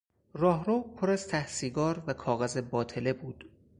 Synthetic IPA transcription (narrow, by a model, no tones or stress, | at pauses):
rɒːɦɾoːpʰoɾæz̥t̪ʰæhsiːɡɒːɾvækʰɒːɣæzebɒːt̪ʰe̞lebuːd̪̥